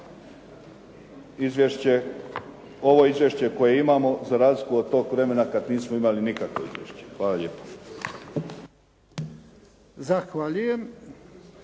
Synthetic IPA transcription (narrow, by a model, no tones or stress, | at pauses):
izʋjeʃt͡ɕe | o̞ʋo̞izʋjeʃt͡ɕe̞ko̞jeimamo̞zaɾaːzlikuod̪̚t̪o̞ːkʋɾemenakad̪niːsmoimalinikakʋo̞ḭzʋjḛʃt͡ɕe̥xʋaːlaʎeːpo̥ | zaxʋaʎujem